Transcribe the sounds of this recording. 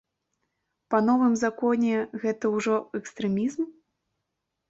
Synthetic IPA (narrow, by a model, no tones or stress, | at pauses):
pɐnɔvɨmzakɔnʲɛɣɛt̪ɐwʐɔɛkst̪ɾɛmʲizm